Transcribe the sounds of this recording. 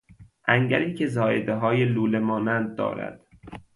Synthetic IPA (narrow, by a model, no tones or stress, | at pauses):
ʔæŋɟæɾiːcʰe̞zɒːjed̪eɦɒːjeluːlemɒːnænd̪̚ːɒ̰ːɾæ̰d̪̥